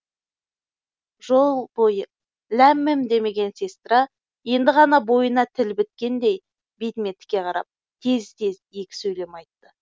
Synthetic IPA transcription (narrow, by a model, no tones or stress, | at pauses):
ʒo̞lˠbo̞jə | læmːɪmd̪e̞me̞ɡʲe̞nsest̪rɑ | je̞nd̪ɪʁɑnɑbo̞jənɑt̪ʰɪlbɪt̪̚kʲe̞nd̪e̞j | bet̪me̞t̪ɪ̥kʲːe̞qʰɑɾɑ̰p̚ | t̪ʰe̞zt̪e̞zjekʲɪ̥sɵjle̞mɑjt̪ːə